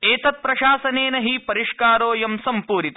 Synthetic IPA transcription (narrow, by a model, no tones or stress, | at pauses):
eːt̪ɐt̪̚pɾɐʃaːsɐneːnɐɦipɐɾiʂkaːɾoːjɐmsɐmpuːɾit̪